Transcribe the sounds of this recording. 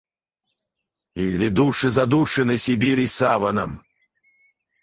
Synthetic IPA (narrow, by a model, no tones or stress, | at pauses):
ilʲid̪uʂɨzad̪uʂɨnɨsʲibʲiɾʲisavɐnɐm